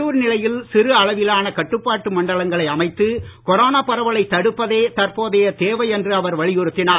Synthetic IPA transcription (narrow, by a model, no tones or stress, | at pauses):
uːɾnɪlɐjɪlsɪɾɯɐɭɐʋɪlaːnɐkɐʈːɯpːaːʈːɯmɐɳɖɐɭɐŋɡɐɭɐɪɐmɐɪt̪ːɯkɔɾoːnaːpɐɾɐʋɐɭɐɪt̪ːɐɽɯpːɐðeːt̪ɐɾpoːðɐjɐt̪eːʋɐɪɛndrɯɐʋɐɾʋɐɭɪjʊɾɯt̪ːɪnaː